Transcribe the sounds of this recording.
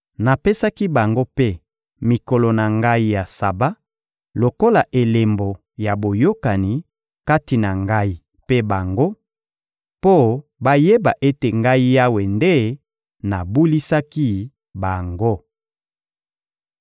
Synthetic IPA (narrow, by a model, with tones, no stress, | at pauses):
na˨pe˦sa˦ki˦ba˨ŋɡo˦pe˦ | mi˨ko˨lo˨na˨ŋɡa˦i˦ja˨sa˨ba˦ | lo˨ko˦la˨ʔe˨le˨mbo˨ | ja˨bo˨jo˦ka˨ni˨ | ka˦ti˨na˨ŋɡa˦i˦ | pe˦ba˨ŋɡo˦ | po˦ba˦je˦ba˨ʔe˦te˨ŋɡa˦i˦ja˦we˨nde˦ | na˨bu˦li˦sa˦ki˦ | ba˨ŋɡo˦